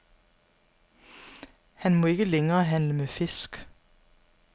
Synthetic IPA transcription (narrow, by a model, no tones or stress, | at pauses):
hænmoːɪkəlɛŋəʁəhænləmeːfɪsk